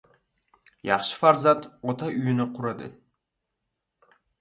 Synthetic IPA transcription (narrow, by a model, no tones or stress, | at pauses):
jɑχʃɯ̥faɾzat̪ot̪ɑʔyjynyqʰuɾɑd̪ɯ̰